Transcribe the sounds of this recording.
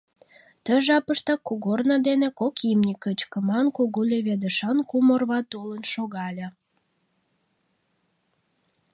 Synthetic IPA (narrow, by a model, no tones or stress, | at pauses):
t̪əʒɑpəʃt̪ɑkuɣornɑd̪enekokimnʲikət͡ɕkəmɑnkuɣulʲeβed̪əʃɑnkumorβɑt̪olənʃoɣɑlʲe